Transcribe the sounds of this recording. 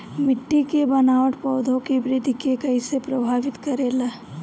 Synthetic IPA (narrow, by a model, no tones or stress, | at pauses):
mɪʈːikebɐnaːʋəʈpɔːd̪ʱõkebɾɪd̪ʱkekɐisepɾɐbʱaːʋɪt̪kəɾeːlaː